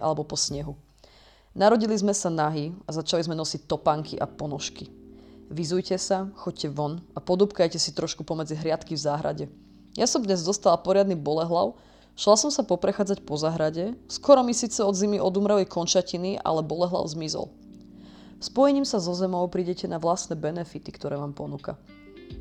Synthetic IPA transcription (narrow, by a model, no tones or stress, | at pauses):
ʔa̰lɛbɔpɔsɲɛɦu | naɾɔɟilizmɛsanaɦiazat͡ʃalizmɛnɔsic̚t̪ɔpaŋkʰiʔapɔnɔʃkiʋizujcɛsaxɔc̚cːɛʋɔnapɔd̪upkajcɛsit̪ɾɔʃkupɔmɛd͡ziɦɾɪat̪kivzaːɦɾa̰ɟɛ | jasɔmd̪ɲɛzd̪ɔst̪alapɔɾɪad̪nibɔlɛɦlaʊ | ʃlasɔmsapɔpɾɛxaːd͡zacpɔzaɦɾaɟɛskɔɾɔmisiːt͡sɛɔd̪zimiʔɔd̪umɾɛlikʰɔnt͡ʃaciniʔa̰lɛbɔlɛɦla̰ʊzmizɔ̰l | spɔjɛɲiːmsazɔzɛmɔʊpɾiːɟɛcɛnaʋlast̪nɛːbɛnɛfit̪i̥kt̪ɔɾɛːʋaːmpɔnuːka̰